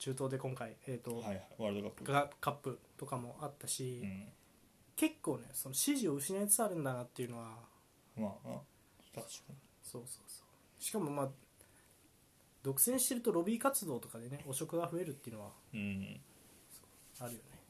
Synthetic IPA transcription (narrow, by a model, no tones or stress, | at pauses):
t͡ɕɨːt̪o̞ːd̪e̞kõ̞ŋkaieːt̪ːo̞ajaβaɾɯd̪okapːɡakapːɯ̟t̪o̞kamo̞ʔat̪ːaɕi | ke̞kːo̞ːne̞so̞no̞ɕiʑio̞ɯ̟ɕinait͡sɨ̥t͡saɾɯ̟̃nd̪anat̪ːeiɯ̟no̞ɡa | ma | so̞ːso̞̥ːso̥ː | ɕi̥kamo̞maː | d̪o̞kɯ̟̥sẽ̞ɰ̃ɕi̥t̪e̞ɾɯ̟t̪o̞ɾo̞bʲiːkat͡sɨd̪o̞ːt̪o̞kad̪e̞neo̞ɕo̞kɯ̟ɡaɸɯ̟e̞ɾɯ̟t̪ːeiɯ̟no̞a̰ | so̥o | aɾɯ̟jo̞ne̞